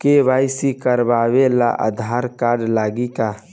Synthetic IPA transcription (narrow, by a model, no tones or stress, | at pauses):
kebajsikəɾbaʋela̰ʔə̰d̪ʱaɾkaɾɖlaːɡika